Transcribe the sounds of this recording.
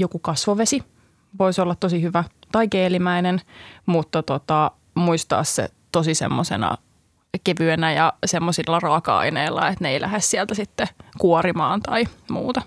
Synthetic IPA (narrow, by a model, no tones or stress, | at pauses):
jokukɑsʋoʋesi | ʋoisolːɑt̪t̪osihyʋæt̪ɑikeːlimæinenmut̪ːɑt̪ot̪ɑ | muist̪ɑ̰ːssḛ | t̪osisḛmːosḛnɑ̰ | keʋyenæjɑsemːosilːɑrɑːkɑɑ̰ineilːɑ̰et̪neilʔæ̰hessiælt̪æsit̪ːekuorimɑ̰ːnt̪ɑimṵːt̪ɑ